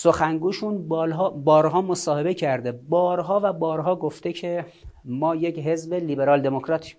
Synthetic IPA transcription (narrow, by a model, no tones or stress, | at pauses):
soxæŋɡuːʃunblɦbɒːɾɦɒːmosɒːhe̞be̞cʰæɾd̪ebɒːɾɦɒːvæbɒːɾɦɒːɡoft̪ecʰe | mɒːjecɦe̞zbeliːbe̞ɾɒːld̪e̞mokʰɾɒːt̪ʰ